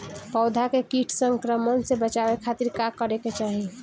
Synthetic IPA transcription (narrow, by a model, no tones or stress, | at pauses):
pɔʊd̪ʱakekiʈʰsəŋkɾəmənsebət͡ʃabekʰat̪iɾkakəɾeket͡ʃaɦi